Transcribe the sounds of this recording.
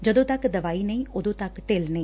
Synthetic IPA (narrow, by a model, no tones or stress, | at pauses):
d͡ʒəd̪õːt̪ɐkd̪əʋaːiːnəĩːʔʊd̪õːt̪ɐkʈeːlnəĩː